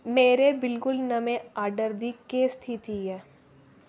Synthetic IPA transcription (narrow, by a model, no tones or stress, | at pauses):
meːɾebɪlkʊlnɐmẽaːɾɖəɾd̪ikeːst̪ʰit̪ʰiɛː